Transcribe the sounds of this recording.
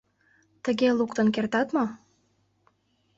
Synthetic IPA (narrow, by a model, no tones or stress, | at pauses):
t̪əɣelukt̪ə̆nk̬ert̪ɑt̪mo